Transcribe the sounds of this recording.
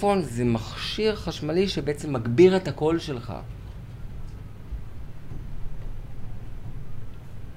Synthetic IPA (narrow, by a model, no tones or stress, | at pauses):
o̞nzemaχʃiʁχaʃmaliʃebeʔet͡se̞mːaɡbiʁethako̞lʃe̞lχa̰